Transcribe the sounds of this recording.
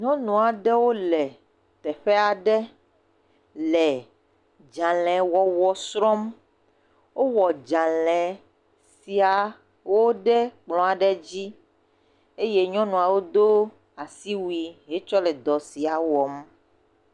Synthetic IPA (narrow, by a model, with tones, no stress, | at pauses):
ɲɔ̃˦nũ˨a˨ɖɛ˦wo˦lɛ˨ | t̪ɛ˨ɸɛ˦a˨ɖɛ˦ | lɛ˨ | d͡ʒã˨lɛ̃˨wɔ˨wɔ˨sɾɔ̃˦m | wo˦wɔ˨d͡ʒã˨lɛ̃˨ | si˨a˨ | wo˦ɖɛ˦k͡plɔ̃˨a˨ɖɛ˦d͡ʑi˦ | e˦je˦ɲɔ̃˦nũ˨a˨wo˦d̪o˦ | a˨si˦wi˨ɦe˦t͡ʃɔ˦lɛ˨d̪ɔ˨si˨a˨wɔ˨m